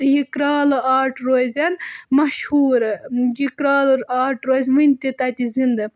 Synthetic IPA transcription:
jikɾaːlɨaːɾʈɾoːzʲɐnmɐʃhuːɾjikɾaːloɾaːɾʈɾoːzʲʋɨnʲt̪it̪ɐt̪ʲizind̪ɨ

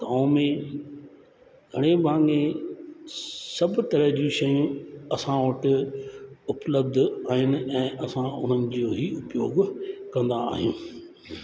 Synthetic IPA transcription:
t̪ɐãmẽ | ɡʱɐɽ̃ebʱãːŋɡẽ | sɐbt̪ɐɾəɦd͡ʑĩʃɐjũɐsãʋɐʈɪ | ʊpləb̚d̪ʱaːɦɪnɪ̆ɛ̃ːʔɐsãʔʊn̤ənɪ̆d͡ʑoːɦiʊpjoːɡkɐ̃nd̪a̰ːɦijũː

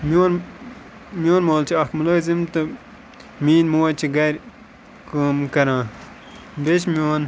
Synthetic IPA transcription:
moːn | mjoːnmoːlt͡ʃʰiɐkmuloːzimt̪ɨ | miːnmoɐt͡ʃʰiɡɐjɾ | kuːmkɐɾãː | bet͡ʃmjoːn

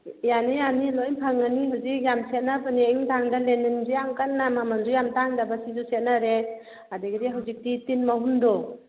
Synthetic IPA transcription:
janijanilojnpʰaŋaniɦawzik̚jamset̚napaniejmtʰaŋdalenːinzijamkanːamamandujamtaŋdabasizuset̚naɾe | adaɡidiɦawzik̚ditinmaɦundɔ

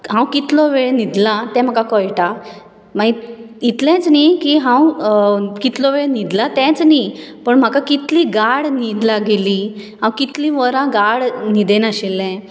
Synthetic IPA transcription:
ɦãwkit̪lɔʋeɭenid̪lat̪ɛ̃m̤akakɔjʈa | mait̪lɛ̃t͡snikiːɦãw | kit̪lɔʋeɭenid̪lat̪ɛ̃t͡snipəɳm̤akakit̪liːɡaɽnid̪laɡiliɦãwkit̪liʋəɾãɡaɽnid̪enəɕilːɛ̃

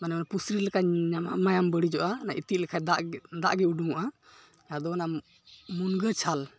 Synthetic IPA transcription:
manɛɔnapusɾilɛkaɲamamajambəɽid͡ʒɔʔanaʔit̪it̪̚lɛkʰad̪aʔd̪aʔɡɛuɖuŋaʔa | jad̪ɔna | munɡət͡ʃʰal

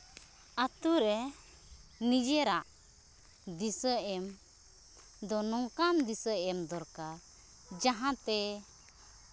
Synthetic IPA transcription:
at̪uɾɛ | nid͡ʒɛɾaʔ | d̪isəɛm | d̪ɔnɔŋkamd̪isəɛmd̪ɔɾkaɾ | d͡ʒaɦãt̪ɛ

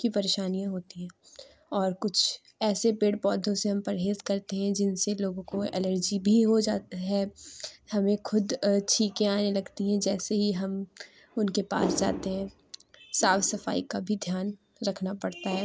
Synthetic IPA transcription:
kipɐɾeːʃaːnijãɦoːt̪iɦɛ̃ː | ɔːɾkʊt͡ʃʰ | ɛːsepeːɽpɔːd̪ʱõseɦɐ̃mpɐɾɦeːzkɐɾt̪eɦɛ̃d͡ʒɪnseloːɡõkoɛ̰ləɾd͡ʒibʱiɦod͡ʒaːt̪aɦɛːhɐmẽxʊd̪t͡ʃʰiːkẽaːnelɐɡt̪iɦɛ̃d͡ʒɛːseɦiɦɐm | ʊnkepa̰ːsd͡ʒa̰ːt̪eɦɛ̃ | saːfsɐfa̰ːikabʱid̪ʱjaːn | ɾɐkʰnapɐɽt̪aɦɛː

